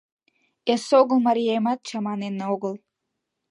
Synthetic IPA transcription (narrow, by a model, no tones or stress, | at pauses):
esoɣəlˠmɑɾʲijejmɑt̪̚t͡ɕɑmɑnenːeoɣəlˠ